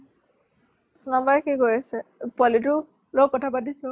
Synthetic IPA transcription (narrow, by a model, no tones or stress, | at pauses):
sunabaɹkikojasɛpalitʊ | lokːɔtʰapadisɔ